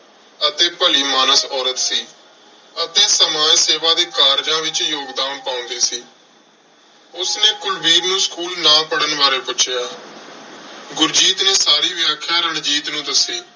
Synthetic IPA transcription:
ət̪eːpəliːmaːnəsɔːɾət̪siː | ət̪eːsəmaːseːʋaːd̪eːkaːɾd͡ʒãːʋɪt͡ʃjoːɡd̪aːmpaːʊ̃nd̪eːsiː | ʊsnẽːkʊlbiːɾnũːskuːlnãːpəɽənʋaːɾeːpʊt͡ʃʰjaː | ɡʊɾd͡ʒiːt̪nẽːsaːɾiːʋɪjaːkʰːjaːɾəɳd͡ʒiːt̪nũːd̪əsiː

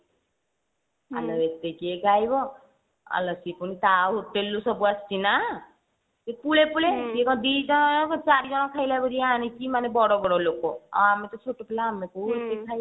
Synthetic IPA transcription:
a̰lɔet̪ekeɡʱajbɔ | a̰lɔsipuñit̪aɦoʈːelːusɔbuast͡ʃina | t̪epulepuletiekɔ̃d̪id͡ʒɔt͡ʃaɾid͡ʒɔñɔkʰajlabəɾiañikimanebɔɽɔɡɔɽɔlokoɔ̰amet̪ɔt͡ʃʰoʈopelaːmekuet̪ekʰaj

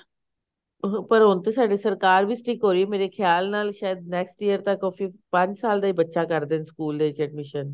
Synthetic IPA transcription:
pəɾɦʊnt̪eːsaːɖesəɾkaːɾbʱiːsʈʰikɦoːɾiemeːɾekʰjaːlnaːlʃaːjəd̪̚nɛːksʈijəɾt̪ãkoːfiːpə̃ɲd͡ʒsaːld̪aːiːbətːʃaːkəɾd̪enskuːld̪eːt͡ʃeːʈ̚mɪʃən

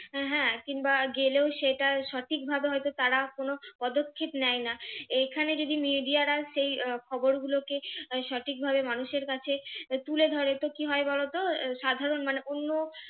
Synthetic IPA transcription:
ɦɛ̃kiŋbaɡeleoʃeʈaʃɔʈʰik̚bʱabeɦɔjt̪ot̪aɾakonopɔd̪okʰːepnɛjnaekʰaned͡ʑod̪imiɖiaɾaʃejkʰɔboɾɡulokeʃɔʈʰik̚bʱabemanuʃeɾkat͡ɕʰet̪uled̪ʱɔɾet̪okiɦɔebɔlot̪oʃad̪ʱaɾonmaneʔonːo

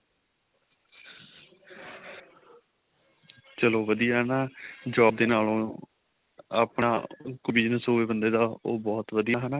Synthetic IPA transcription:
t͡ʃəloːʋəd̪ijaːɦnaːd͡ʒɔːb̚d̪eːnaːlõː | a̰ːpɳaːkʊbiːnsoːʋeːbənd̪eːd̪aːo̰ːbɔːt̪ʋəd̪ijaːɦɛːnaː

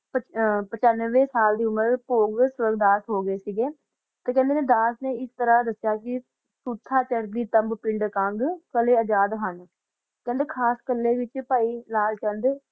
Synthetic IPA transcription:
pəpət͡ʃanʋẽːsaːld̪iːʊməɾpoːɡsʊɾəɡd̪aːsɦoːɡəeːsiɡeː | t̪eːkɛ̃ːnd̪eːneːd̪aːsneːɪst̪əɾaːd̪əsjaːkɪ | suːt̪ʰːaːt͡ʃəɾd̪iːt̪əmbpɪɳɖkãŋɡkəleːəd͡ʒaːd̪ɦən | kɛ̃ːnd̪eːkʰaːskəlːeːʋɪt͡ʃpaːiːlaːlt͡ʃənd̪

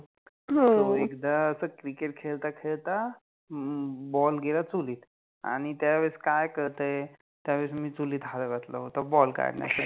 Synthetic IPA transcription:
ɦoəekd̪aəsəkɾikeʈ̚kʰelt̪akʰelt̪a | bɔlɡʱelat͡suliːt̪ | a̰ɽ̃it̪jaʋeskajkəɾt̪ə | t̪jaʋesmiːt͡suliːt̪ɦaləʋət̪lə̰ɦot̪əbɔlka̰ɽnja̰sə

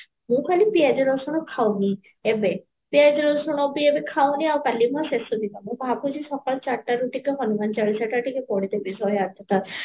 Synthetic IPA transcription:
mũkʰalipiad͡ʒɔɾɔsɔɽ̃ɔkʰawni | ebe | piad͡ʒɔɾɔsɔɽ̃ɔbiebekʰawniawkalimãsesɔd̪id̪amũbʱapud͡ʒisɔkɔɭt͡ʃaʈaɾuʈikeɦɔnumant͡ʃaɭisaʈaʈikepɔɽ̃it̪ebisɔjat̪ʰjɔt̪a

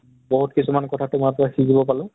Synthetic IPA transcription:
bɔɦutkisumankɔtʰatʊmaɹpɔɹakizibɔpalʊ̃

